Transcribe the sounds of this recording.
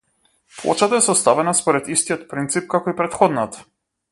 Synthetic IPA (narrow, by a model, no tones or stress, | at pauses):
plˠɔ̰t͡ʃat̪aɛsɔst̪avɛnaspɔɾɛt̪ist̪ijɔt̪pɾint̪sip̚kakɔipɾɛt̪xɔd̪nat̪ḁ